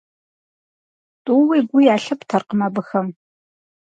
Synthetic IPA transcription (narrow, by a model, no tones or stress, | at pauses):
tʼuwiːɡʷʊjaːɬɨptʰɐrqəmɐbɨxɐm